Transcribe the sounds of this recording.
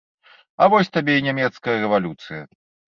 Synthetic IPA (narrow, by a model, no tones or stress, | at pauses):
ɐvɔsʲt̪abʲeinʲamʲɛt̪skɐjɐɾɛvalʲut̪sɨjɐ̰